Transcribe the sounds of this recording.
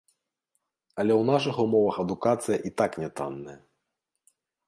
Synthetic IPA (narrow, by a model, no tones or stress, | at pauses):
ɐlʲɛwnaʂ̬ɨxumɔvɐxɐd̪ukat̪sɨjɐʔit̪aknʲɛt̪a̰nːɐjɐ